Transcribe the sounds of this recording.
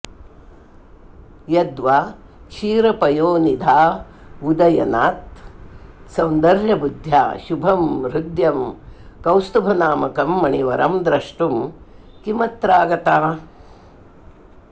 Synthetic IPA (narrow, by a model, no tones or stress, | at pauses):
jɐd̪ʋaː | ʃiːɾɐpɐjoːnid̪ʱaː | ud̪ɐjɐnaːt̪ | sɐwnd̪ɐɾjɐbud̪ʱja̰ːʃubʱɐmɾud̪jɐmkɐwst̪ubʱɐnaːmɐkɐmːɐɳiʋɐɾɐ̰md̪ɾɐʂʈum | kimɐt̪ɾaːɡɐt̪aː